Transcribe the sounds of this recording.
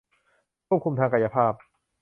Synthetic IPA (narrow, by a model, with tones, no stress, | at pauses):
kʰu˥˩p̚kʰu˧mt̪ʰaː˧ŋka˧ja˧pʰaː˥˩p̚